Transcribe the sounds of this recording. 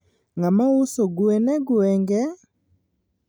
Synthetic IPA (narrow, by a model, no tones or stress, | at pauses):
ŋamausoɡwɛnɛɡuɛŋɡɛ